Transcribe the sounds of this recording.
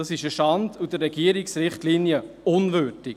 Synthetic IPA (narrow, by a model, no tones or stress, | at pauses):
ɑsɪʃəʃɑndudərɾɛɡiəɾiksɾɪχtlinjə | ʊnvøɾdɪk